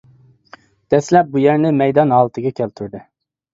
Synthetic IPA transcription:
d̪̥ɛslɛp̚bujæɾnɪmɛjd̪ɑnɦɑːlˠɨt̪ʰɨɡʲɛkʲʰɛlt̪ʰyɾd̪ɨ

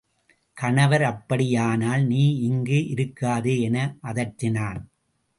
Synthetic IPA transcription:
kɐɳɐʋɐɾɐpːɐɽɪjaːnaːlniːɪŋɡeːʔɪɾɯkːaːðeːɛnɐʔɐðɐʈɾɪnaːn

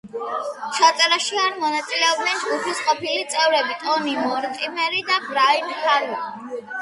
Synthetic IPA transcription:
t͡ʃʰat̪sʼɛɾaʃiaɾmɔnat̪sʼilɛɔb̚dnɛnd͡ʒɡupʰisqʼɔpʰilit̪sʼɛvɾɛbit̪ʼɔnimɔɾt̪ʼimɛɾid̪abɾainaɾa

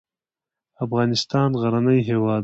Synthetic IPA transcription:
afɣɑnɪst̪ɑnɣaɾanəjɦewɑː

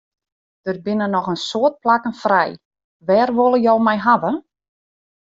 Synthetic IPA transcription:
d̥ər̚bɪnənɔxənsoət̚plakənfrɛj | ʋɛːrʋolˠəjowmɛjɦaʋə

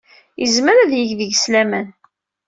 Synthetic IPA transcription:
jəzməɾæðjəʝðəʝslæmən

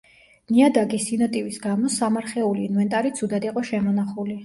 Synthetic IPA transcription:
niad̪aɡisinɔt̪ʼivisɡamɔsamaɾχɛuliːnvɛnt̪ʼaɾit̪sʰud̪ad̪iqʼɔʃɛmɔnaχuli

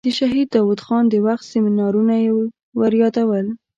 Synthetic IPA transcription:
d̪̥əʃaɦid̪̚ːɑwud̪xɑnd̪əwaxt̪sɪminɑɾunaje | waɾjɑd̪awəl

